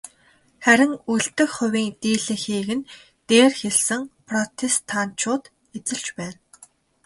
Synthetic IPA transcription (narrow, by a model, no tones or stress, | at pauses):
χæɾʲɪ̆ŋuɮt̪ɘ̆xχʊ̟wʲiːŋt̪iːɮɘ̆ŋxiːɣɘ̆n | t̪eːrxeɮsɘ̆ŋpʰrɔt̪ʰest̪ʰːaːn̥t͡ɕʰʊːt̪ | et͡sɘ̆ɮt͡ɕpæːn